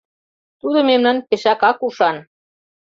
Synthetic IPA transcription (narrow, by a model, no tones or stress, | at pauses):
t̪ud̪ɤ̆memnɑnpeʃɑkɑkuʃɑn